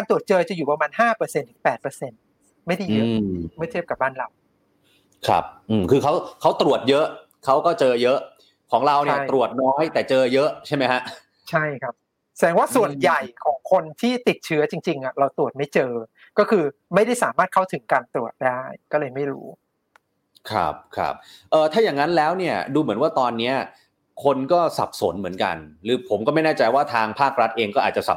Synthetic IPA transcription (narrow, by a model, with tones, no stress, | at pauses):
kaː˧nt̪u˨˩ət̪̚t͡ɕɤː˧t͡ɕa˨˩juː˨˩pa˧maː˧nhaː˥˩pɤː˧se˧nt̪ʰɯ˩˦pɛː˨˩t̪̚pɤː˧se˧n | ma˥˩jda˥˩jɯ˦˥ma˥˩t̪ʰi˥˩p̚ka˨˩p̚baː˥˩nɾa˧w | kʰɾa̰˦˥p̚ʔɯː˨˩mkʰɯː˧kʰa˦˥wkʰa˦˥wt̪ɾu˨˩ət̪̚jɤ˦˥ʔ | kʰa˦˥wkɔː˥˩t͡ɕɤː˧jɤ˦˥ʔ | kʰɔː˩˦ŋɾa˧wa˧˩˥j̪ɾu˨˩ət̪̚nɔː˦˥jt̪ɛː˨˩t͡ɕɤː˧jɤ˦˥ʔt͡ɕʰa˥˩jma˦˥jkʰa˦˥ʔ | t͡ɕʰa˥˩jkʰa˦˥p̚ | sɛ˨˦ŋwaː˥˩su˨˩ənja˨˩jkʰɔː˩˦ŋkʰo˧nt̪ʰiː˥˩t̪i˨˩t̪̚t͡ɕʰɯ˦˥ɐt͡ɕi˧ŋt͡ɕi˧ŋʔa˨˩ɾa˧wt̪ɾu˨˩ət̪̚ma˥˩jt͡ɕɤː˧ | kɔː˥˩kʰɯː˧ma˥˩jɾa˥˩jsaː˩˦maː˥˩t̪̚kʰa˥˩wt̪ʰɯ˩˦ŋkaː˧nt̪ɾu˨˩ət̪̚daː˥˩jkɔː˥˩lɤː˧jma˥˩jɾṵː˦˥ | kʰɾa̰˦˥p̚kʰɾa̰˦˥p̚ʔɤː˨˩t̪ʰaː˥˩jaː˨˩ŋːa˦˥nlɛː˦˥wni˥˩ɐduː˧mɯ˩˦ənwaː˥˩t̪ɔː˧nːi˦˥ɐ | kʰo˧nkɔː˥˩sa̰˨˩p̚so̰˩˦nmɯ˩˦nka̰˧nɾɯː˨˦pʰo˩˦mkɔː˥˩ma˥˩jnaː˥˩t͡ɕa˧jwaː˥˩t̪ʰaː˧ŋpʰaː˥˩k̚ɾa˦˥t̪̚ʔeː˧ŋkɔː˥˩ʔ̪̚ːt͡ɕa˨˩sa̰˨˩